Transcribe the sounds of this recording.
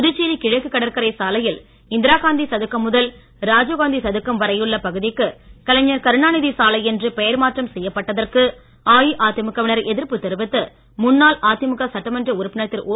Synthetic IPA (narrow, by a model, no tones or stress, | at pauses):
ʊðɯt͡ʃːiːɾikɪɻɐɪkːɯkːɐɽɐɾkɐɾɐɪsaːlɐjɪl | ɪnd̪ɪɾaːɣaːnd̪isɐðɯkːɐmːʊðɐl | ɾaːd͡ʒoːɣaːnd̪isɐðɯkːɐmʋɐɾɐjɯɭːɐpɐɣɯðɪkːɯkɐlɐɲːɐɾkɐɾɯɳaːnɪðisaːlɐɪɛndrɯpɛjɐɾmaːʈrɐmsɛjːɐpːɐʈːɐðɐrkɯ | aːjiʔaːt̪ɪmɯkːɐʋɪnɐɾɛðɪɾpɯt̪ːɛɾɯbɪt̪ːɯ | mʊnːaːlʔaːt̪ɪmɯkːɐsɐʈːɐmɐndrɯʊɾɯpːɪnɐt̪ːɪlʔoː